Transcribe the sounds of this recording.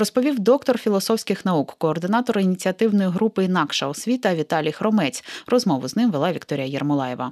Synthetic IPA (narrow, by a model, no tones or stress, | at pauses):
rɔspɔʋʲiwd̪ɔkt̪ɔrfʲilˠɔsɔwsʲkɪxnɐukkɔːrd̪ɪnɑt̪ɔɾʊinʲit͡sʲiɐt̪ɪwnɔjiɦɾupɨinɑkʃɐɔsʲʋʲit̪ɐʋʲit̪ɑlʲijxɾɔmɛt͡sʲrɔzmɔʋʊznɪmʋelˠɑʋʲikt̪ɔɾʲɪjɐjɛrmʊlˠɑjɛʋɐ̰